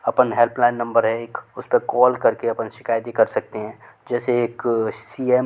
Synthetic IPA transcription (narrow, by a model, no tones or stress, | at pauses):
ɐpənɦelplaːɪnːɐ̃mbəɾɦɛeːkʊspekɔːlkɐɾkeɐpənʃɪ̥kaːjt̪ikɐɾsɐk̚t̪eɦɛ̃ː | d͡ʒɛːseeːksiːem